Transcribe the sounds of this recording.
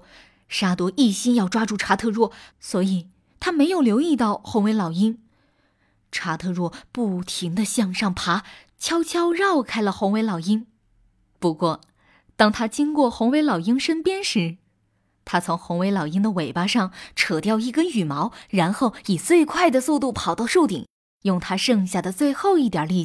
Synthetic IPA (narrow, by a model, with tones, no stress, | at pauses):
ʂa˥t̪wɔ˧˥ʔi˥˩ɕi˥njɑ˥˧ʊʈ͡ʂwa˥ʈ͡ʂu˥˩ʈ͡ʂʰa˥t̪ʰɤ˥˧ɻwɔ˥˩swɔ˧˥i˨˩ | t̪ʰa˥me˧˥ɪjo˨˩ʊljo˧˥ʊi˥˧t̪ɑ˥˩ʊxo˧˥ŋwe˧˥ɪlɑ˨˩ʊi˥ŋ | ʈ͡ʂʰa˧˥t̪ʰɤ˥˧ɻwɔ˥˩pu˥˩t̪ʰi˧˥ŋd̪ə˧ɕjɑ˥˧ŋʂɑ˥˩ŋpʰa˧˥ | t͡ɕʰjɑ˥ʊt͡ɕʰjɑ˥ʊɻɑ˥˩ʊkʰa˥ɪlə˨xʊ˧˥ŋwe˧˥ɪlɑ˨˩ʊi˥ŋ | pu˧˥kwɔ˥˩ | t̪ɑ˥ŋt̪ʰa˥t͡ɕi˥ŋkwɔ˥˩xʊ˧˥ŋwe˧˥ɪlɑ˨˩ʊi˥ŋʂə˥npjɛ˥nʂɻ̩˧˥ | t̪ʰa˥t͡sʰʊ˧˥ŋxʊ˧˥ŋwe˧˥ɪlɑ˨˩ʊi˥ŋd̪ə˨we˨˩ɪpa˥ʂɑ˥˩ŋʈ͡ʂʰɤ˨˩t̪jɑ˥˧ʊi˥˩kə˥ny˨˩mɑ˧˥ʊɻa˧˥nxo˥˩ʊi˨˩t͡swe˥˧ɪkʰwa˥˩ɪd̪ə˩su˥˧t̪u˥˩pʰɑ˨˩ʊt̪ɑ˥˧ʊʂu˥˩ʊt̪ḭ˨˩˦ŋ | jʊ˥˩ŋt̪ʰa˥ʂɤ˥˧ŋɕja˥˩d̪ə˩t͡swe˥˧ɪxo˥˧ʊi˥˩t̪jɐ˞˨˩li˥˩